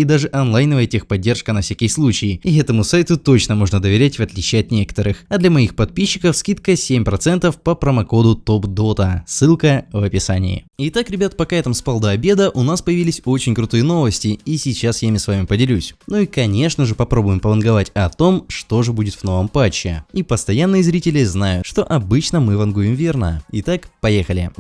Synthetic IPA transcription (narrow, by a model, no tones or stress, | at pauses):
id̪aʐɨʔɐnlˠajnəvəjətʲexpɐdʲːe̞rʂkənɐfsʲækʲɪjəslˠut͡ɕɪɪɪɛt̪əmʊsajt̪ʊt̪o̞t͡ɕnəmo̞ʐnəd̪əvʲɪɾʲætʲvɐt̪lʲit͡ɕiɐt̪nʲe̞kə̥t̪əɾɨxɐd̪lʲɐmɐixpɐt̪̚pʲiɕːɪkəfskʲit̪̚kəsʲemʲpɾɐt̪sɛnt̪əfpəpɾəmɐko̞d̪ʊt̪o̞pd̪o̞t̪əsːɨlˠkəvɐpʲɪsanʲɪ̰ɪ̰ɪt̪akɾʲɪbʲat̪̚pɐkaɛt̪əmspalˠd̪əɐbʲe̞d̪əʔʊnaspəjɪvʲilʲɪsʲo̞t͡ɕɪnʲkɾʊt̪ɨjəno̞vəsʲtʲɪisʲɪt͡ɕːasjamʲɪsvamʲɪpədʲɪlʲusʲnuikɐnʲe̞ʂnəʐɨpɐpɾo̞bʊjɪmpəvənɡɐvatʲɐt̪o̞mʂt̪o̞ʐɨbudʲɪt̪vno̞vəmpat͡ɕːɪ̰ipəst̪ɐjanːɨjɪzɾʲitʲɪlʲɪznajʊʂt̪o̞ʔɐbɨt͡ɕnəmɨvɐnɡujɪmvʲe̞rnə̰ɪt̪akpɐjexəlʲɪ̰